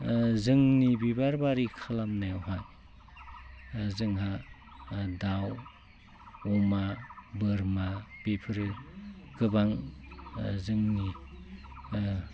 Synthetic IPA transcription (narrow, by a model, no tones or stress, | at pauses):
zɯŋnibibaɾbaɾikʰalamnajawɦaj | zɯŋɦa | daw | ɔmabɯɾmab̥epʰɯɾɯɡɯbaŋ | zɯŋni